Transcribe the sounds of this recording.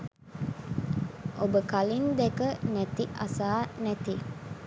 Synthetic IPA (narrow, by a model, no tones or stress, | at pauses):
obəkalind̪ekənæt̪iʔa̰saːnæt̪i